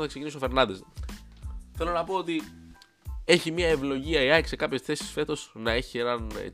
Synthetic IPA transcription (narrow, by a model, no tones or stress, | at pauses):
oθɐkse̞cinisofe̞ɾnɐd̪es | θe̞lo̞nɐpo̞ot̪i | e̞çimiɐe̞vlo̞ʝiɐiɐkse̞kɐpçe̞sθe̞si̥sfe̞t̪o̞snɐe̞çie̞nɐnḛ